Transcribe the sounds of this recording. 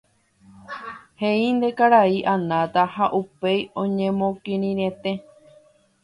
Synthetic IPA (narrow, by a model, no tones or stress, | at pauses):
heind̪e̞kaɾaiʔanãt̪ahaʔupejõɲẽmõkĩɾ̃ĩɾẽt̪e̞